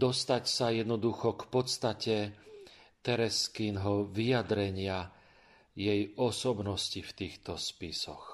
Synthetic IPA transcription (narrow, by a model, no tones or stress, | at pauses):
d̪ɔst̪acsajɛd̪nɔd̪uxɔkpɔt̪st̪acɛ | t̪ɛɾɛskinɦɔʋijad̪ɾɛɲɪa | jɛjɔsɔbnɔscift̪iːxt̪ɔspisɔx